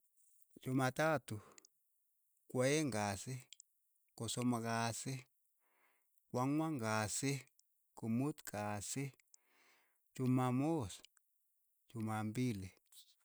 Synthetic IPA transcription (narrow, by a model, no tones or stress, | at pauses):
t͡ʃumat̪at̪u | kʷaeŋɡase | kosomakase | kʷaŋʷaŋɡase | kumut̪kase | t͡ʃumamos | t͡ʃumambile